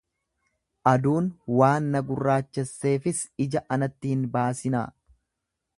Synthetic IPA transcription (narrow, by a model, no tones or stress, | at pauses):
ʔɐd̪uːnwaːnːɐɡʊrːaːt͡ʃːɛsːe̞ːfɪsɪd͡ʒɐʔɐnɐt̪ːɪhɪnbaːsɪna̰ː